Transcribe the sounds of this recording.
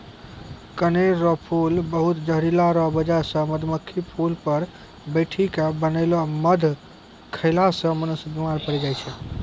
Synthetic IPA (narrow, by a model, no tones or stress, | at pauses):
kəneɾɾɔpʰulbəɦut̪d͡ʒəɦɾilaɾɔbəd͡ʒasə̃məd̪ʱməkʰːipʰulpəɾ | bəjʈʰikabənəɪlɔməd̪ʱ | kʰəɪlasə̃mənusbimaɾpəɽɛd͡ʒajt͡ʃʰɛ